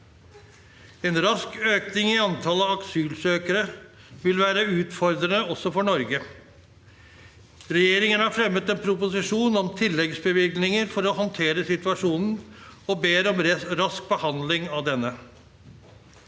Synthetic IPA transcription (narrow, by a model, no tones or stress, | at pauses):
ɛnɾɑskøːknɪŋɪɑnt̪ʰɑləɑksyːlsøːkəɾə | ʋɪlʋæːɾəʉːt̪fɔɾd̪ɾənəɔsːɔfɔɳɔɾɡə | ɾɛjeːɾɪŋənhɑɾfɾɛmːət̪ɛnpʰɾʊpʊsɪʂuːnɔmt̪ʰɪlːɛɡsbəʋɪɡnɪŋəɾfɔɾɔhɔnt̪ʰeːɾəsɪt̪ʉɑʂuːnn̩ɔbeːɾɔmɾɑsk̚bəhɑnd̪lɪŋɑʋd̪ɛnːə